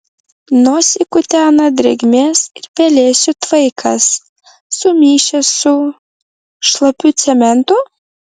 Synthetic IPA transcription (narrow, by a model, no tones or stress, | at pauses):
noːsʲɪkʊt̪ʲæːnɐd̪ʲɾʲɛɡʲmʲeːsɪɾpʲɛlʲeːsʲʊt̪ʋɐɪkʰɐsː | ʊmʲiːʃʲɛsʊ | ʃlˠɐpʲʊt̪sʲɛmʲɛnt̪ʊ